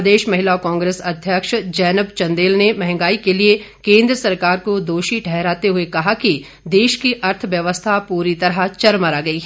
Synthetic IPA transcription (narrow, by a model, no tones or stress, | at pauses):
d̪eːʃmɐɦɪlaokãːŋɡɾeːsɐd̪ʱjəkʃd͡ʒɛːnəpt͡ʃɐ̃nd̪eːlnemɛɦŋɡaːikelie | kẽːnd̪ɾəsɐɾkaːɾkod̪oːʃiʈʰɛɦɾaːt̪eɦuekɐɦaki | d̪eːʃkiʔɐɾt̪ʰʋjɐʋəst̪ʰapuːɾit̪ɐɾɦat͡ʃɐɾməɾaːɡɐiːɦ